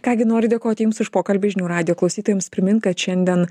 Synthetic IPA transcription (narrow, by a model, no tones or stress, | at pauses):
kɑːɡʲɪnoːɾʲɪd̪ʲeɛkoːt̪ʲɪjʊmsʊʃpoːkɐlʲbʲɪʒʲɪnʲuːɾɑːd̪ʲɪjoːklˠɒʊsʲiːt̪oːjɛmspʲɾʲɪmʲɪnkɐt̪ʃʲɛnʲd̪ʲiɛn